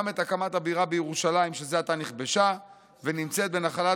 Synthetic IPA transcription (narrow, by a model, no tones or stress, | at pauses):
me̞takamatabiʁabejeʁuʃalaimʃezeat̪aniχbe̞ʃa | venimt͡se̞t̪̚be̞naχala